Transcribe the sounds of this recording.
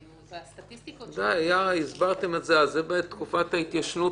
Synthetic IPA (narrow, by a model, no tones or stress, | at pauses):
d̪ajajaizbaʁt̪e̞metzealzebet̪ːkufat̪hait̪jaʃnu